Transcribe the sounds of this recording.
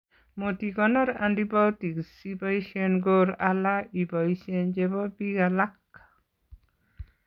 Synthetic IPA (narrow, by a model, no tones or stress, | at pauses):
motikɔnɔɾa̰ndibawtiksibaiʃenɡoɾalaibɔisiend͡ʒebɔbiɡalak